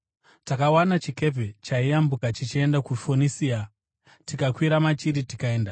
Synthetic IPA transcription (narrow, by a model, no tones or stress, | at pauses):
takawanat͡ʃike̞pet͡ʃaijambukat͡ʃit͡ʃie̞ndakufonisia | tikakwiɾamat͡ʃiɾitikae̞ːnda